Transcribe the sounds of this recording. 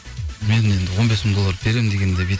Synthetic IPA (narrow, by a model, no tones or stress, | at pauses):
menend̪ɪwo̞nbe̞smɪŋd̪o̞lˠːaɾbe̞ɾemnd̪eɡʲend̪ebi